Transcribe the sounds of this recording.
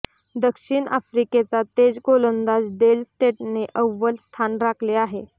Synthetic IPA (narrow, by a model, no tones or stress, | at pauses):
d̪əkʂiːɳʔa̰fɾiket͡sat̪ed͡zkolənd̪asɖelsʈeʈneʔəʋːəlst̪ʰanɾakʰleaɦe